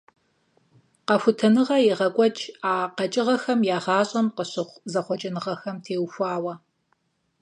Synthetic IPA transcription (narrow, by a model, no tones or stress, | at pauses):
qɐfʷʊtʰɐnɨʁɐjeʁɐkʷʼɔt͡ʃʰʼaːqɐt͡ʃʼɪʁɐxɐmjaːʁɑːɕʼɐmqəɕɨχʷzɐχʷɔt͡ʃʼɐnɨʁɐxɐmtʰeːwxʷaːwɐ